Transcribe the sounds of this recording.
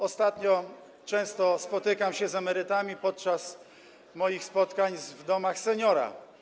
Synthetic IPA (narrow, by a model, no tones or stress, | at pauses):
ɔst̪at̪ɲɔ | t͡ʂɛ̃w̃st̪ɔspɔt̪ɘkamɕɛzamɛɾɘt̪amʲipɔt̪̚t͡ʂas | mɔjixspɔt̪kaɲvd̪ɔmaxsɛɲɔɾa̰